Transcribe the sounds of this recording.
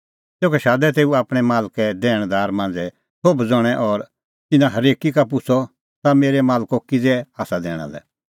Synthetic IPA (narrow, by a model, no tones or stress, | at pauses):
t̪eːukɛʃaːd̪ɛt̪̬eːuaːpɽ̃ɛmaːlkɛd̪ɛːɽ̃d̪aːɾmãːn̆d͡zɛ | sʰobd͡zɔɽ̃ɛʔɔɾ | t̪ɪnãɦɐɾeːkikap̬ʊt͡sʰɔ | t̪ameːɾɛmaːlkokɪd͡zɛaːsad̪ɛ̰ːɽ̃a̰lɛ̰